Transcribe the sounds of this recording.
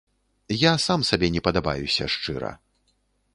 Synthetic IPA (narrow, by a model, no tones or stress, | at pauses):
jasamsabʲɛnʲɛpɐd̪aba̰jusʲɐ̰ʂt͡ʂɨɾɐ̰